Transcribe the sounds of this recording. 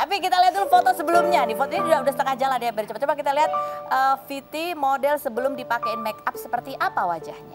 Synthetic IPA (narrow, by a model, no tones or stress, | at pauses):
t̪apikit̪aliat̪̬ːulʊfot̪osəbəlʊmɲadifot̪oɲad͡ʒuɡaudahst̪əŋad͡ʒaladajabəɾit͡ʃapat͡ʃobak̬it̪aliɦat̪̚ʔəfit̪imodɛlsəbəlʊmdipakeɪnmɛkap̚səpərt̪iʔapawad͡ʒahɲa